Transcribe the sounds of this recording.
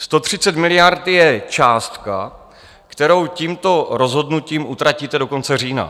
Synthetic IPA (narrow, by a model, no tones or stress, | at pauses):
st̪o̞t̪r̝̥ɪt͡sɛt̪mɪlɪjaɾt̪jɛt͡ʃaːst̪ka̰ | kt̪ɛɾo̞wciːmt̪o̞ɾo̞zɦo̞dnuciːmʔut̪ɾaciːt̪ɛdo̞ko̞nt͡sɛr̝iːna̰